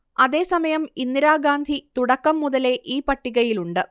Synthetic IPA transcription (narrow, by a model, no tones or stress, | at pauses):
ɐðe̞ːsɐmɐjɐminːiɾaːɡaːnd̪ʱit̪uɽɐkːɐmːuðɐle̞ʔiːpɐʈːiɣɐjiluɳɖɨ